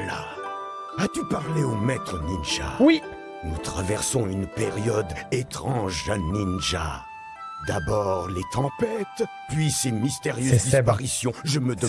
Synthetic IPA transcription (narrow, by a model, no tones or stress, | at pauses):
la̰ | at̪ypaʁleomɛt̪χəninʒa̰wi | nut̪χavɛʁsɔ̃ynpeʁjɔd̪et̪χɑ̃ʒaninʒa̰ | d̪abɔʁlet̪ɑ̃pɛt̪ | pɥisenmist̪eʁjøzd̪ispaʁisjɔ̃ʒəməd̪